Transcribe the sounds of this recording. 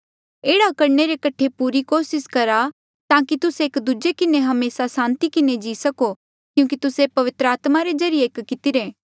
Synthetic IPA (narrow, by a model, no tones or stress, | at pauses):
eːɽakɐɾɳeɾekɐʈʰepuːɾikoːsɪskɐɾa | t̪ãːkit̪ʊseeːkd̪ʊd͡ʒekɪneɦɐmeːsasãːnt̪ikɪned͡ʒiːsɐko | kjũːk̬it̪ʊsepɐʋɪt̪ɾəaːt̪maɾed͡ʒɐɾijeːkkɪt̪ɪɾeː